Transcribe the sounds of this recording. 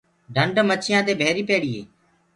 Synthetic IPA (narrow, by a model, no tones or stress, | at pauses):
ɖʱəɳɖmət͡ʃʰɪjãːd̪eːbʱeːɾiːpeːɽiːḛː